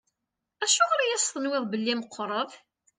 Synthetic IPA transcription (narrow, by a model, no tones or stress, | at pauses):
æʃʊʁɾajæst̪ˤənwɪðˤbəlːiməqʰːɾˤəv